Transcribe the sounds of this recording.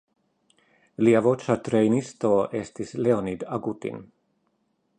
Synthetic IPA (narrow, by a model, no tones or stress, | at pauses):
liavot͡ʃat̪ɾejnist̪oɛst̪isleonid̪aɡut̪ḭn